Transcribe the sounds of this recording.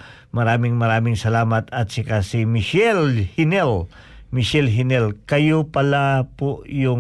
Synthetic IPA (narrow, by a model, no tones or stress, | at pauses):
mɐɾaːmɪŋmɐɾaːmɪŋsɐlaːmɐt̪ɐt̪̚sɪkasimɪʃɛlhɪnɛl | mɪʃɛlɦɪnɛlkɐjopɐlapoʔjʊ